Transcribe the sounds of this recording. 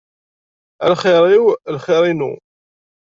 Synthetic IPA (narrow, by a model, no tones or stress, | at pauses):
æ̰lχɪɾˤiwlχɪɾˤinṵ